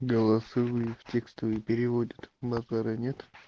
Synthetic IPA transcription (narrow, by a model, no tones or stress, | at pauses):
ɡəlˠɐsɨvɨftʲekst̪əvɨpʲɪɾʲɪvodʲət̪bɐzaɾɨnʲet̪